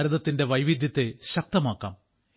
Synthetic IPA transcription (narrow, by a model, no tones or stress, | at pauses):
ɾɐðɐt̪ːinde̞ʋɐjʋid̪ʱjɐt̪ːe̞ɕɐk̚t̪ɐmaːkːa̰ːm